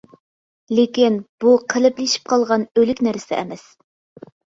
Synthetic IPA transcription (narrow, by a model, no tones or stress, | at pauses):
lekʲinb̥uqʰəlɪplɪʃi̥p̚qʰɑlˠʁɑnølykʲnæɾsɪ̰ʔɛ̰mɛs